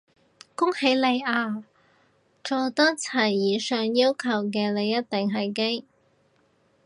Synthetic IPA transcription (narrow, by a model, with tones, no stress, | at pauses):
kʊ˥ŋhe˨˧˥jle˨˧jaː˧ | t͡ʃɔː˨˩wt̪ɔː˥t͡sʰɐ˨˩jːiː˨˧sœː˨ŋjiː˥wkʰɐ˨˩wk̬ɛː˧le˨˧jɐ˥t̚t̪ɪ˨˩ŋɦɐ˨jke˥ŋ